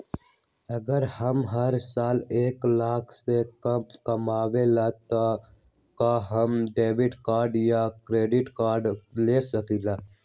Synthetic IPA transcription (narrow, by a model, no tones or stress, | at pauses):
ɐɡəɾhəmɦəɾsaːleːklaːkʰsekkɐmaːwelat̪o | kaɦəmɖeːʋɪʈkaːɾɖjakɾeːɖɪʈkaːɾɖleːsəkilaː